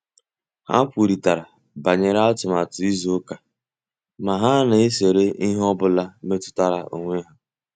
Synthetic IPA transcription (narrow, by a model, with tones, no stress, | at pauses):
ha̰˦pʷu˨ɾi˨ta˨ɾa˨ | ba˨ɲe˨ɾa˦ɔ˦tʊ˨ma˨tʊ˨i˦zo˦ka˨ | ma˨ɦa˦na˨e˦se˨ɾe˦i˦ɦɔ˦bʊ˦la˦me˦tʊ̥˦ta˦ɾa˦ʔo̰˨ŋʷe˦ɦa˦